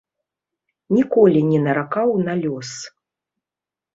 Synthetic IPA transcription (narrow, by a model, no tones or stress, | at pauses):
nʲikɔlʲinʲɛnɐɾakawnalʲɔs